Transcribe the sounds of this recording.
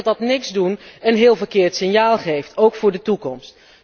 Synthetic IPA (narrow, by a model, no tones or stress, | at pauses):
dɑtnɪkzdunɛnɦɪːlˠvəɹkɪːɹtsɪnjaːlˠχejftʰowkfʊːɹdətukɔmst